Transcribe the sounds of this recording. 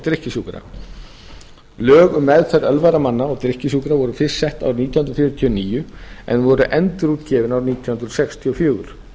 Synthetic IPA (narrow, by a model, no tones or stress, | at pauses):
t̪ɾɪhcɪsuːkɾa̰ | lœːɣʏmːɛðθɛɾœlvaɾamanːaɔɣt̪ɾɪhcɪsuːkɾavɔɾʏfɪsːɛht̪a̰wɾniːt̪ʰjɔhʏnɾfjʏːɾʏt̪ʰiɔniːjʏɛ̰nvɔɾʏʔɛnt̪ɾuːt̪cɛːvɪnawɾniːt̪ʰjɔhʏnd̪ɾɔsɛkst̪ʰiɔfjoːwʏɾ̥